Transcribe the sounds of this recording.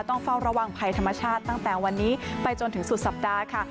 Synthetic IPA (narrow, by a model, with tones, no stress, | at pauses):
t̪ɔ˥˩ŋfa˥˩wɾa˧wa˨˩ŋpʰa˧jt̪ʰa˧mːa˧t͡ɕʰaː˥˩t̪ːa˥˩ŋt̪ɛː˨˩wa˧nːiː˦˥pa˧jt͡ɕo˧nt̪ʰɯ˩˦ŋsu˨t̪̚sa˨˩p̚daː˧kʰa˥˩